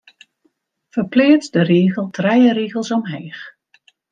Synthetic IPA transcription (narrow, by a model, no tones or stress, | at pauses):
fərplɪːsdəreːɣəlˠtʰrɛjəɾiːɣəlˠsɔmɦeːx